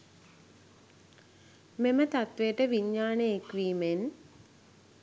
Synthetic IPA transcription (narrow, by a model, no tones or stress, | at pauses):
memət̪at̪ʋeəʈəʋiɲːaːneekʋiːmen